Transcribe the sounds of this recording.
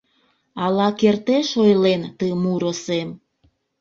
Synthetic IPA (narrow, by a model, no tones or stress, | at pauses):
ɑlɑkert̪eʃojlent̪əmuɾosem